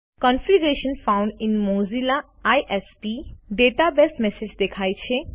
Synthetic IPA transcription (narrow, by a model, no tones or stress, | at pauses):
kɔnfiɡɾeʃə̃nfãʊ̃ɳɖɪ̃nmozila | ajʔespiɖeːʈabesmesed͡ʒd̪ekʰaːjt͡ʃʰe